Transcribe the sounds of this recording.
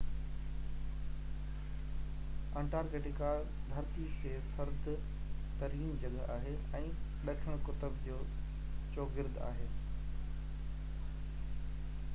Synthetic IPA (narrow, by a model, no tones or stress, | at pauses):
ɛ̃ːɳʈaːɾɡeːʈɪka | d̪ʱɐɾt̪ikʰeːfɐɾd̪ʱ | t̪ɐɾiːnd͡ʑɐɠəa̰ːɦe | ɛ̃ːɗɐkʰəɽ̃kʊt̪əbd͡ʑoː | t͡ɕoːɡɪɾd̪ʱa̰ːɦeː